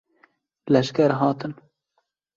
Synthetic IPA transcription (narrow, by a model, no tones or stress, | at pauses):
lɛʃkɛɾɦɑːt̪ɨn